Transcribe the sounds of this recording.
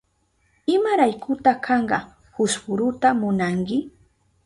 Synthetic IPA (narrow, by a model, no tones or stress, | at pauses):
ɪmaɾajkʊt̪akʰɑɴɢɑ̰ | hʊspʊɾʊt̪amʊnaŋkɪ